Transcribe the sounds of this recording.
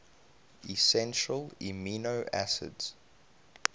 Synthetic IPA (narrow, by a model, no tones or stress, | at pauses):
isɛ̃nʃəliminoʊʔæsɪ̰dz̥